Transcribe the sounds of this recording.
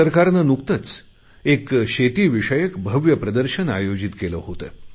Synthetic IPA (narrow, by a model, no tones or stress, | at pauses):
əɾkaɾnənukt̪ət͡s | ekɕet̪iːʋiʂəjəkbʱəʋjəpɾəd̪əɾɕəna̰jod͡ʑit̪keləɦot̪ə̰ː